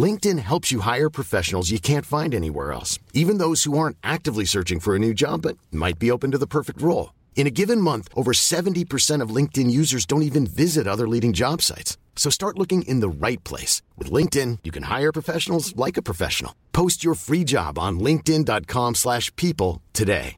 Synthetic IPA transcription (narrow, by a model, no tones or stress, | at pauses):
lɪ̃ŋk̚tɨ̃nɦɛlˠpsjɨɦaɪə˞pʰɹ̥ɨfɛʃn̩l̩ˠzjɨkʰæ̃ntfãɪ̃ndɛnḭwɛ̰ɹɛ̰lˠsivɨ̃nðoʊz̥huɑɹ̃ntʔæk̚tɨvlisɜ˞t͡ʃɪ̃ŋfə˞ɨnʉd͡ʒɑ̰bʌt̚ma̰ɪt̚b̥ioʊpɨ̃n̩tɨðəpʰɜ˞fɨk̚t̚ɹoʊlˠ | ɨ̃ɾ̃ɨɡɪvɨ̃nmʌ̃nθʔoʊvə˞sɛṽn̩tipʰə˞sɛ̃ɾ̃ʌvlɪ̃ŋk̚tɨ̃njʉzə˞zdõʊ̃ntivɨ̃nvɪzɨɾʌðə˞liɾɪ̃ŋd͡ʒɑb̥sa̰ɪtsː | oʊstɑɹtˡlʊkɪ̃ŋʔɪ̰̃nðəɹaɪt̚pʰl̥ḛɪswɨ̰ðlɪ̃ŋk̚tɪ̃njɨkʰɨ̃nha̰ɪə˞pʰɹ̥əfɛʃn̩l̩ˠzlaɪkɨpʰɹ̥ɨfɛ̰ʃn̩l̩ˠpʰoʊst͡ʃə˞fɹid͡ʒɑ̰b̃n̩lɪ̃ŋk̚tɪ̃ndɑt̚kʰɑ̃mslæʃpʰipl̩ˠtʰɨdḛɪ